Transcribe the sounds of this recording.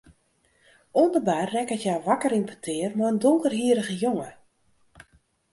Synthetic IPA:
ondərbarːɛkətjawʋakəɾimpʰətʰɪərmaəndoŋkərɦiəɾəɣəjoŋə

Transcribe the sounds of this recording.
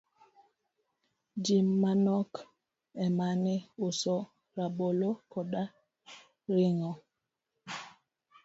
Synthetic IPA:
d͡ʒimːanɔk | ɛmanɛosɔ | ɾabolokɔɗa | ɾiŋɔ

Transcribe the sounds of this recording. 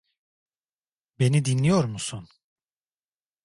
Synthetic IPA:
be̞nid̪inlʲijo̞ɾmusun

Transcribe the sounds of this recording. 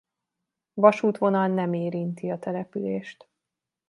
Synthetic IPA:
vɒʃuːt̪ʋo̞nɒlnɛmeːɾint̪iɒt̪ɛlɛpyleːʃt̪

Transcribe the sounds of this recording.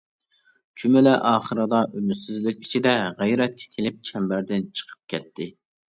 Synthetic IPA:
t͡ʃʰymɪlɛʔɑːχəɾɨd̪ɑʔynysɪzlykʲit͡ʃʰid̪ɛʁæjɾɛt̪̚kʲʰɛ̥kʲʰelɪp̚t͡ʃʰɛmbæɾd̪ɪnt͡ʃʰə̥qʰə̥p̚kʲɛt̪ʰːɪ

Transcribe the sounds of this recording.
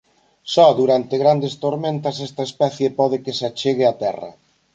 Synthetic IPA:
sɔðuɾant̪eɣɾand̪est̪oɾmẽnt̪ɐsɛst̪ɐespɛθjepɔð̞ɪkesat͡ʃeɣɪat̪ɛrɐ̰

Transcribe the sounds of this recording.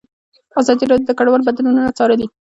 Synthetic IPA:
azɑd̪iɾɑdjod̪əkaɽwɑlbad̪anununat͡sɑɾəli

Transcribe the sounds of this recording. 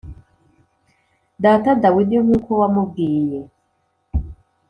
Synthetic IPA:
daːtadawinoŋuːkowamub̚ɡiːje

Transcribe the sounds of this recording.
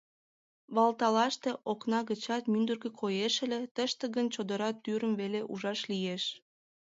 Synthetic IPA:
βɑlt̪ɑlɑʃt̪eʔoknɑɣət͡ɕɑt̪mynd̪ərɣĕkʰojeʃə̆let̪əʃt̪ĕɣənt͡ɕod̪əɾɑt̪ːyɾəmveleʔuʒɑʃlijeʃ

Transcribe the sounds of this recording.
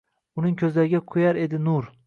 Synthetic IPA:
ʊnɪŋkʲʰɵzlaɾɪɡʲaqʰʊjaɾe̞d̪ɪnʊɾ

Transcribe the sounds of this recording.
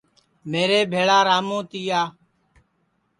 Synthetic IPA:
meːɾeːbʱeːɭaːɾaːmõːt̪iːjaː

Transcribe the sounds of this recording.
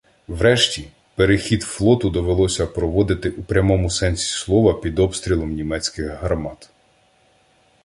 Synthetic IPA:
wɾɛʃtʲi | peɾexʲid̪flˠɔt̪ʊd̪ɔʋelˠɔsʲɐpɾɔʋɔd̪ɪt̪ɪʔupɾʲɐmɔmʊsɛnʲsʲi̥slˠɔʋɐpʲid̪ɔpst̪ɾʲilˠɔmnʲimɛt͡sʲkɪɣɦɐrmɑt̪

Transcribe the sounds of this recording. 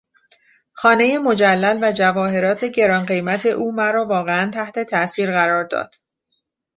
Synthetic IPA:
xɒːne̞je̞mo̞d͡ʒælːælvæd͡ʒævɒːɦe̞ɾɒːt̪ʰe̞ɟe̞ɾɒːnɢe̞jmæt̪ʰe̞ʔuːmæɾɒːvɒːɣeænt̪ʰæht̪ʰe̞t̪ʰæʔsiːɾɣæɾɒːɾd̪ɒ̰ːd̪̥

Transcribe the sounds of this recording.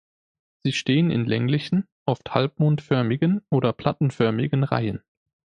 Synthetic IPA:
z̥iːʃteːənɪ̰nlɛŋlɪçn̩ | ʔɔfthalp̚moːntfœɐmɪɡənʔoːɾɐpʰl̥atn̩fœɐmɪɡənʁa̰ɪən

